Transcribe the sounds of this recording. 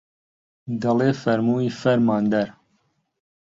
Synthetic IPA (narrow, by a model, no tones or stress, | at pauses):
d̪ɐleːfɐɾmuːiːfɐɾmɑːnd̪ɛɾ